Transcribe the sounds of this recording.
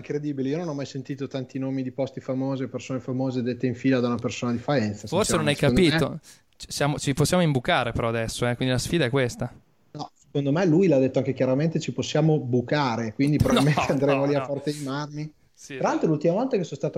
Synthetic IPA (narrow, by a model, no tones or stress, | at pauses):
iŋkɾed̪iːbileiononɔmajsent̪iːt̪ot̪ant̪inoːmid̪ipɔst̪ifamoːzeopersoːnefamoːzed̪et̪ːeiɱfiːlad̪aunapersoːnad̪ifaɛnt̪sasforsenõnajkapiːt̪o | t͡ʃsjaːmot͡ʃiposːjaːmoimbukaːɾepeɾɔad̪ɛsːoɛkwind̪ilasfiːd̪aɛkːwest̪a | nɔse̥kond̪omelujlad̪et̪ːoaŋkekjaɾament̪et͡ʃiposːjaːmobukaːɾekwind̪ipɾovalmẽnteand̪ɾemoliafɔrt̪eijmarmi | t̪ɾalalt̪ɾolult̪imavɔlt̪akesõnst̪aːt̪o